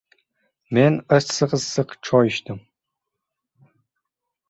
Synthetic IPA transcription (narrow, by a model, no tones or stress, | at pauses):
meːnɐsɨqəzsɨqʈ͡ʂʰɔːjiʃt̪ʰɨm